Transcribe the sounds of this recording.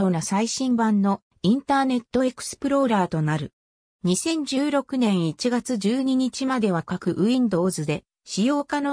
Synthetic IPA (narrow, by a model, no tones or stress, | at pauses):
oːnasaiɕĩmbãnːo̞ | ĩnt̪aːne̞t̪ːo̞e̞kɯ̟̥sɨ̥pɯ̟ɾo̞̟ɾaːt̪o̞naɾɯ̟ | ɲ̟isẽ̞ɲ̟d͡ʑɨːɾo̞kɯ̟nẽ̞ɰ̃it͡ɕiɡat͡sɨʑɨːɲ̟iɲ̟it͡ɕimad̪e̞β̞akakɯ̟ʔɯ̟ĩnd̪o̞ːzɨd̪e̞ | ɕijo̞ːkano̞